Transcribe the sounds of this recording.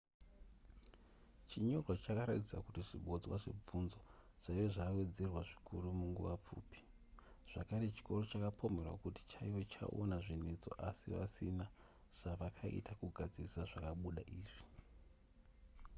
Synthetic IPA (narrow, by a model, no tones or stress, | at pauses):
t͡ʃiɲo̞rwat͡ʃakaɾatid͡zakutiʐiɓo̞d͡zwa̰ʐe̞̰b͡vunzo | ʐ̥aiʋeʐawe̞d͡ze̞rwaʐikʰurumuŋɡṵʋap͡fṵːpi̥ | ʐ̥akaɾe̞t͡ʃi̥ko̞ro̞t͡ʃakapʰo̞me̞rwa̰kuti̥t͡ʃaiʋo̞t͡ʃa̰ʔo̰naʐinet͡so̞̰ʔasḭʋa̰sina | ʐ̥aʋakʰaḭtʰakuɡʱad͡ziisaʐakaɓuɗa̰ʔiːʐi